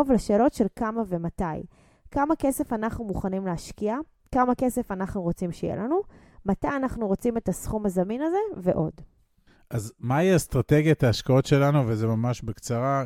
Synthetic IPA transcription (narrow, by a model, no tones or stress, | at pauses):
ovleʃeːlo̞tʃe̞lkamavemataj | kamake̞se̞fanaχnumuχanimleaʃkia | kamake̞se̞fanaχnuʁo̞t͡simʃejḛlanu | matajanaχnuʁo̞t͡sime̞tasχumazaminaze̞veʔo̞d | ʔazmaiast̪ʁate̞ɡjat̪aːʃkao̞tʃe̞lanuvezemamaʃbekt͡saʁa